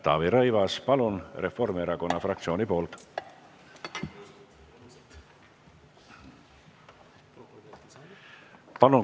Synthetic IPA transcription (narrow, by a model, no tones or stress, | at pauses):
t̪ɑ̰ːviɾɤjvɑspɑlunrefːo̞rmeɾɑko̞nːɑfrɑk̚t̪sio̞nipo̞ːlt̪ | pɑlu